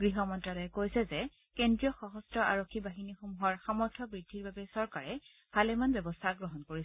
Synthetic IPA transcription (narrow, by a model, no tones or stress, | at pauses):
ɡɹiɦɔmɔntɹalɛkojsɛzɛ | kendɹijɔxɔɦɔstɔa̰ɹokʰːibaɦinixomuɦɔɹxamɔɹtʰɔbɹidʱːiɹbabɛsɔɹkaɹɛ | b̥ʱalɛmanbjɛbɔstʰaɡɹɔɦɔnkoɹis